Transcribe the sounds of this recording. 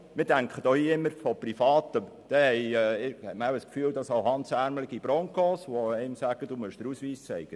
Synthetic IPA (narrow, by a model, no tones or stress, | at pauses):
mɪːɾdæŋkχəd̪ɔhiːɪmːəɾfɔprifɑːt̪ə | d̥̪ɛhɛɪɪhɛməæwəskfyːld̥̪ɑsɑʊhɑnsæɾmlɪɡ̥ib̥ɾɔŋkɔsʋɔɛɪmsæɡ̥əd̥umʉʃd̥̪əɾusʋiːst͡sɛɪɡ̥ə